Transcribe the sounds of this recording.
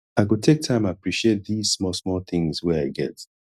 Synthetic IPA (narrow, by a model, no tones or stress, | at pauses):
aɪɡotʰek̚tʰãɪ̃mãnapɹiʃiet̚ðiz̥smɔsmɔθɪ̃ŋzwɛaɪɡɛt